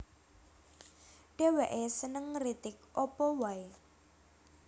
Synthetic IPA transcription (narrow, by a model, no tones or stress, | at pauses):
ɖ̥e̤weʔesənəŋrit̪ɪk̚ʔɔpɔwae